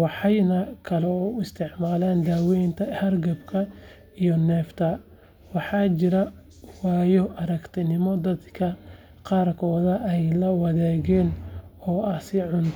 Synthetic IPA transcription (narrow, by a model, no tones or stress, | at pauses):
wɑħɑjnɐkʰɐlɛɔʊɪst̪ʰɪʕmaːlaːnd̪aːwɛjnt̪ʰɐhɐrɡɐbkʰɐ | ijɔnɛːft̪ʰɐ | wɑħɑːt͡ʃɪɾɐ | wɑːjɔʔɐɾɐkt̪ʰɪnɪmɔd̪ɐd̪kʰɐ | qɑːrkʰɔːðɐʔɛjlɐwɑðɛːɣɛːnɔːɐsɪʕʊnt̪ʰ